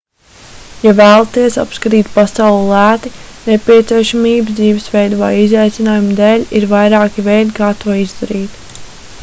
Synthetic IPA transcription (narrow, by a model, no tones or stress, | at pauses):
javæːlˠat̪iɛsa̰pskat̪iːt̪̚pasawlˠlˠæːt̪inepʲiɛt̪siɛʃamiːbzd̪ziːvɛsvɛjd̪uva̰jizajt̪sʲinaːjumd̪ɛːlʲiɾvajɾaːkivɛjd̪ikaːt̪uɔizd̪aɾiːt̪